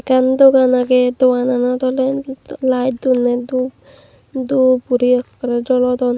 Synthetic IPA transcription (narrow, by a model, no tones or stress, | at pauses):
kand̪oɡanaked̪ɔwananɔt̪ɔlelajtd̪uned̪u | d̪upuɾiɔkːɔɾed͡ʒɔlɔt̪ɔn